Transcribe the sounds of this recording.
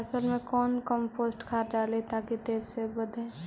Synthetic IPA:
səlmẽkɔːnkəmpʰosʈkʰaːɾɖalet̪akit̪eːzsebəd̪ʱẽ

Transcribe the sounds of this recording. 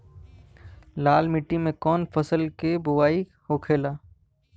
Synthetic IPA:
laːlmɪʈːimẽkɔːnfɐsəlkebʊʋaːihokʰeːlaː

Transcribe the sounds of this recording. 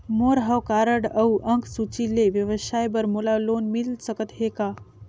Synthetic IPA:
moɾɦəwkaɾəɽəwʔəŋksut͡ɕilːeʋjəʋəsajbəɾmolalonmilsəkət̪ɦeka

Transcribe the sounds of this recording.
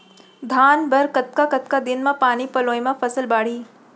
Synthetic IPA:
d̪ʱaːnbɐɾkɐt̪̚kakɐt̪̚kad̪ɪnmãpaːnipɐloːimãfʰɐsəlbaːɽ̤iː

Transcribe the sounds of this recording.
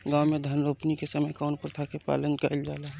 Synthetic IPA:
ɡaːwmẽd̪ʱənɾoːpnikesəməjkaʊnpɾət̪ʰakepa̰ːlənkəld͡ʒaːlaɦ

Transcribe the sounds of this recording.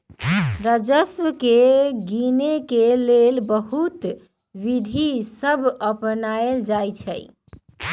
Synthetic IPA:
ɾəd͡ʒəswəkeɡinekelelbəɦut̪ | ʋid̪ʱisəbʱəpnaeld͡ʒajt͡ʃʰɛ̰j

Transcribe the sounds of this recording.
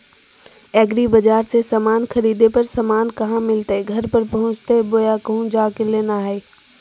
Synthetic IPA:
ɛːɡɾibɐd͡ʒaːɾsesɐmaːnxɐɾiːd̪epɐɾsɐmaːnkɐɦãmɪlt̪eɡʱɐɾpɐɾpɐɦʊ̃t͡ʃt̪eboːjakɐɦũd͡ʑaːkɪleːnaːɦeː

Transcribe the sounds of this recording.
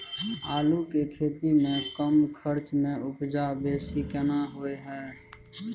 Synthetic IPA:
aːlukekʰeːt̪imẽkəmkʰəɾt͡ʃmẽʔʊpd͡ʒabeːsikənaɦoeɦɛː

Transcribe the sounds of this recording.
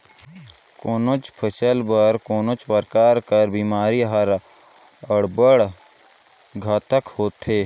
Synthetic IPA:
koːnot͡ʃpʰəʃəlbəɾkoːnot͡ʃpəɾkaːɾkəɾbiːmaːɾiɦəɾ | əɽbəɽ | ɡʱaːt̪əkhoːt̪eː

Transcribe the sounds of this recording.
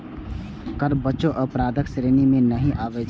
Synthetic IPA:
kəɾbəːt͡ʃoʔəpɾaːd̪əksɾeːnimẽnəɦĩʔaːʋed͡ʒ

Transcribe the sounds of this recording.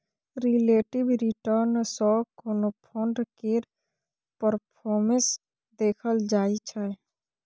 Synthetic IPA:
ɾileːʈibɾiʈəɾnsɔkoːnopʰɔɳɖkeɾ | pəɾpʰɔːɾmə̃s | d̪eːkʰəld͡ʒaːit͡ʃʰɛ

